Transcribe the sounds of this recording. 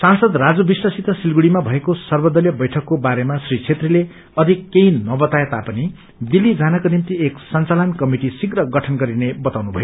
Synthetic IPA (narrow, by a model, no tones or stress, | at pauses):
sansʌd̪rad͡zubiswasit̪ʌsilɡuɽimabʱʌekosʌrbʌd̪ʌljʌbʌjʈʰʌkːobaɾemasrit͡sʰet̪rile | ʌd̪ʱikːeinʌbʌt̪ajet̪apʌni | d̪ilːid͡zʱanakonimt̪ieksʌnt͡salʌnkʌmiʈisiɡrʌɡʌʈʰʌnɡʌɾinebʌt̪awnubʱʌjo